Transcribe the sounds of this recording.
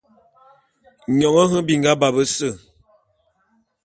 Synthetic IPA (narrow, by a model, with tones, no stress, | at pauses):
ɲɔ˨ŋə˦ɦə˦bi˨ŋɡa˦ba˨bə˦sə˦˨